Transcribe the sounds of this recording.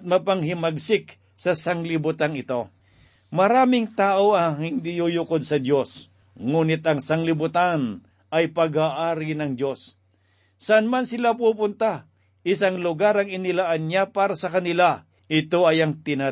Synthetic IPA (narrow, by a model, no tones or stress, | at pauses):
t̪̚mɐpɐŋɦɪmɐɡsɪk | sɐsɐŋlɪbʊt̪anɪt̪o̞ | mɐɾaːmɪŋt̪aːʔoɐŋhɪnd̪ɪjujukod̪̚sɐd̪jo̞s | ŋuːnɪt̪ɐŋsɐŋlɪbʊt̪an | ɐjpɐɡaʔaːɾɪnɐŋdjo̞s | sɐʔanmansɪlapuːpʊnt̪a | ʔɪsaŋlʊɡaɾɐŋɪnɪlaʔanɲapaːɾɐsɐkɐnɪla | ɪt̪o̞ɐjɐŋt̪ɪna